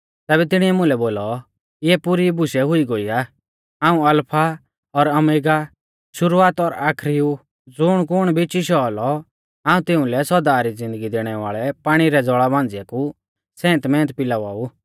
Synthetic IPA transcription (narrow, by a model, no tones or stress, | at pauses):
t̪ɛːbɛt̪ɪɽ̃iɛmʊ̃lɛboːlɔ | ɪɛpuɾibʊsɛɦʊiɡoiaː | aːũɐlpʰa | ɔɾɐmeːɡa | ʃʊɾuaːt̪ɔɾaːkʰɾiu | d͡zʊɽ̃kʊɽ̃bʱɪt͡ʃiʃɔlɔ | aːũt̪ɪʊ̃lɛsɔd̪aːɾid͡zɪ̃nd̪əɡid̪eːɽ̃ɛʋaːɭɛpaːɽ̃iɾɛd͡zɔɭabãːnd͡zɪjɛku | sɛ̃ːnt̪mɛ̃ːnt̪̚pɪlaʋa̰ːu